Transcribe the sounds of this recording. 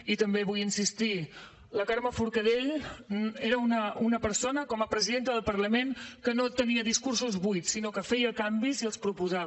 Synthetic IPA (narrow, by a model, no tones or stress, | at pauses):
it̪əmbeβujinsist̪i | ləkaɾməfuɾkəðeʎ | eɾəunəunəpəɾsonəkɔməpɾəziðent̪əðəlˠpəɾləmenkənot̪əniəðiskursuzβujt̪sinokəfɛjəkambiziəlˠspɾupuza